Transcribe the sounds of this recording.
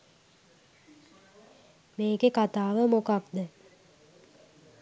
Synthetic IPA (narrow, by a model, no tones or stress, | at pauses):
meːkekat̪aːʋəmokakd̪ə